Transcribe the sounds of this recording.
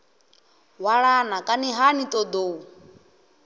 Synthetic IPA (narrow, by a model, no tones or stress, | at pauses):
waɺanakʼaniɦanit̪ʼɔd̪oːu